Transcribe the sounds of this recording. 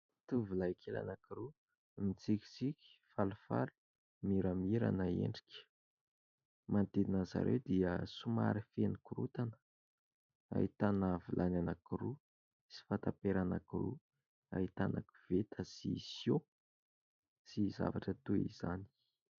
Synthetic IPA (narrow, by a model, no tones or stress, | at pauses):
t̪uvulaikʰela̰nakiɾu | mit͡sikʲi̥t͡sikʲi̥falufa̰lu̥ | miɾamiɾa̰naḛɳɖ͡ʐi̥kʲə̥ | mʔant̪einaza̰ɾʔewd̪iəsuma̰ɾifenikuɾut̪anə̥ | a̰ɦit̪anavulʔananakiɾu | si̥fat̪apeɾanakiɾṵ | a̰it̪anʔa̰ki̥v̥et̪ʰəsḭsjo | siza̰vaʈ͡ʂət̪uḭz̥ani̥